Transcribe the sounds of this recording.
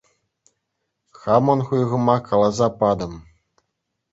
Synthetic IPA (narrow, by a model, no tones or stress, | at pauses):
xamɔnɣujɣɤ̆makalˠazapad̪ɤm